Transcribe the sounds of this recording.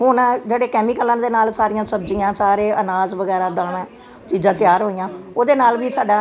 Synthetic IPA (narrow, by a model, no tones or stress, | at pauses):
ɦʊnɛd͡ʒeːɽeːkɛːmɪkəlãːnd̪eːnaːlsaːɾɪjãːsəbd͡ʒijãːsaːɾeːʔənaːzʋəɡɛːɾaːd̪ãːnɛː | t͡ʃiːd͡ʒãːt̪ɪjaːɾɦoːijãːoːd̪eːnaːlʋiːsaːɖaː